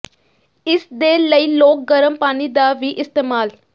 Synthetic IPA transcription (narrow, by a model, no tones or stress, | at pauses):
ɪsd̪eːləiːloːk̚ɡəɾəmpaːniːd̪aːʋiːʔɪst̪eːmaːl